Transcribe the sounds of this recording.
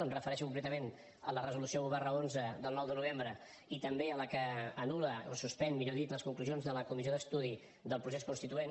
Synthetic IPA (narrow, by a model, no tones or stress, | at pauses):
ənrəfəɾɛʃukumplɛt̪əmen | ələrəzulusiouβɛrəonzəðəlˠnɔwðənuβ̞embɾə | it̪əmbeələkəːnuləo̰suspɛnmiʎoðit̪ləskuŋkluzionzðələkumiz̬ioðəst̪uð̞i | ðəlˠpɾuseskunst̪it̪uen